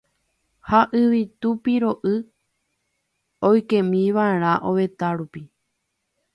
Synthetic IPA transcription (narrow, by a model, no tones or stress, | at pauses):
haʔɨʋit̪upiɾo̞ʔɨ | ojkẽmĩʋaeɾ̃ãʔoʋet̪aɾupi